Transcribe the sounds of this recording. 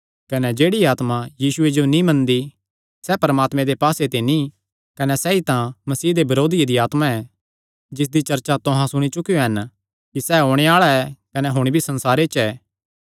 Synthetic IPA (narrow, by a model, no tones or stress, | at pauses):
kɐnɛd͡ʒeːɽiaːt̪mãjiːsʊed͡ʒonĩmɐ̃nd̪i | sɛpɐɾəmaːt̪mẽd̪epaːset̪enĩ | kɐnɛsɛːit̪ãmɐsiːd̪ebɐɾoːd̪ɪjed̪iaːt̪mãɛː | d͡ʒɪs̬d̪it͡ʃɐɾt͡ʃat̪oɦãsʊɽ̃it͡ʃʊkijoɦɐn | kisɛːɦoːɽ̃eaːɭaɛkɐnɛɦʊɽ̃ibʱisɐ̃nsaːɾet͡ʃɛː